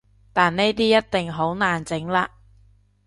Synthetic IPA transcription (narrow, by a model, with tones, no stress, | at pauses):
t̪aː˨nne˥jt̪iː˥jɐ˥t̚t̪ɪ˨ŋɦo˨˥wnaː˨nt͡sɪ˨˥ŋlaː˧